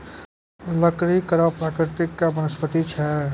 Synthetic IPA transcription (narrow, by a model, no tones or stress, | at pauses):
ləkɾikəɾapɾakɾɪt̪ikːabənəspət̪it͡ʃʰɛ